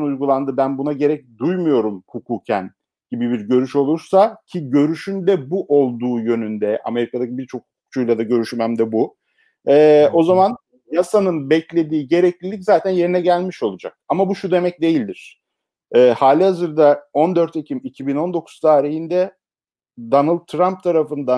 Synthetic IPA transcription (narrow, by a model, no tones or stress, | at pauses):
nujɡulˠand̪ɯbænbunaɟe̞ɾɛc̚d̪ujmujo̞ɾumkʰukʰuːcʰæn | ɟ̥ibibiɾɟø̞ɾyʃo̞lˠuɾsacʰiɟø̞ɾyʃynd̪ɛbuʔo̞lˠd̪uːjø̞nynd̪ɛʔa̰me̞ɾikʰad̪acibiɾt͡ʃʰo̞k̚hu̥ku̥kt͡ʃʰujlˠad̪aɟø̞ɾyʃmæmd̪ɛbu | ɛːo̞zaman | jasanɯnbɛclʲe̞d̪iːɟe̞ɾɛclʲilʲic̬zaːt̪ʰænje̞ɾinɛɟælʲmiʃo̞lˠud͡ʒa̰k̚amabuʃud̪e̞mɛc̚d̪e̞jilʲd̪iɾ̝̥ | ɛːhaːlʲihazɯɾd̪ao̞nd̪øɾt̪ʰecʰimicʰibino̞nd̪o̞kʰu̥z̥t̪ʰaːɾihind̪ɛ | d̪anɯlˠd̪ʰːɾamp̚t̪ʰaɾafɯnd̪a